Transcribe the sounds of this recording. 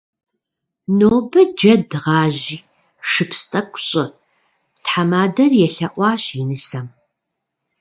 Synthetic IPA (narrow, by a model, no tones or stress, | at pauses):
noːbɨd͡ʒɐdʁɑːʑiː | ʂɨpʰstʼɐkʷʼɕʼɐ | tħamaːdɐrjɛɬɐʔʷɑːɕinɨsɐm